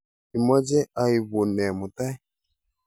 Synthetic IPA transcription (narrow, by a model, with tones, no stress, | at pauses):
i˨mɔ˦d͡ʒɛ˦a˨i˨βu˨nɛ˨mu˨ta˦i˦